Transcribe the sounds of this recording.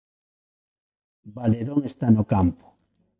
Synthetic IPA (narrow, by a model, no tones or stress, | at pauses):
baleðoŋest̪anokampʊ̥